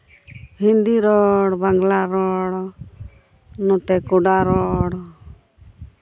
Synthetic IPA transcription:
hind̪iɾɔɽbaŋɡlaɾɔɽ | nɔt̪ɛkɔɖaɾɔɽ

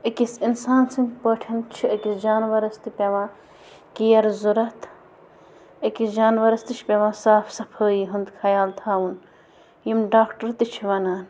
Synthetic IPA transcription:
ɐkisinsaːnsiŋpəːʈʰɐnt͡ʃʰiɐkisd͡ʒaːnʋɐɾɐst̪ipʲeʋãː | kijɐɾzuɾɐt̪ʰ | ɐkisd͡ʒaːnʋɐɾɐst̪it͡ʃʰpʲeʋãːsaːfʰsɐpʰəːjiɦund̪kʰɐjaːlt̪ʰaːwun | jimɖaːkʈɐɾt̪it͡ʃʰiʋɐnaːn

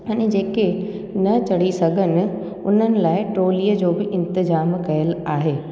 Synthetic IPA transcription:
ɐ̃nɪ̃d͡ʑeːke | nɐt͡ɕɐɽ̤isɐɡʱənɪ̆ | ʊn̤ənɪ̆laːɪʈoːliːəd͡ʑoːbɪʔɪ̃nt̪ɪzaːmkɐjəlaːɦeː

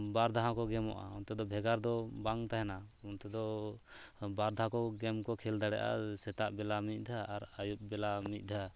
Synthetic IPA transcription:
baɾd̪ʱaɦãkɔɡɛmɔ̰ʔa̰ɔnt̪ɛd̪ɔbʱɛɡaɾd̪ɔbaŋt̪aɦɛnaɔnt̪ɛd̪ɔ | baɾd̪aɦãkɔɡɛmkɔkʰɛld̪aɽɛ̰ʔa̰sɛt̪aʔbɛlamic̪̚ˀd̪ʱaːɾajup̚bɛlamic̪̚ˀd̪ʱaa

